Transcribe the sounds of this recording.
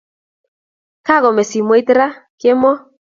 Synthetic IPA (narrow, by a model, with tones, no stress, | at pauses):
ka˦ɣɔ˨mɛ˨si˨mɔ˦i˦t̪ɾa˦ke˦mɔ˦